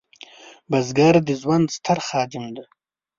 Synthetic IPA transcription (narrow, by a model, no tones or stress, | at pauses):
bazɡaɾd̪izwand̪st̪ʰaɾχɑːd̪ɪmd̪a